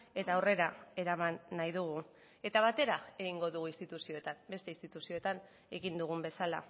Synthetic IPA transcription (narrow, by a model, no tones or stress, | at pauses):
e̞t̪awre̞ɾae̞ɾamanːajðuɣ̞u | e̞t̪aβ̞at̪e̞ɾae̞ɣiŋɡo̞ðuɣ̞uinst̪it̪usio̞et̪ambe̞st̪e̞inst̪it̪usio̞e̞t̪an | e̞ɣind̪uɣ̞umbe̞sala̰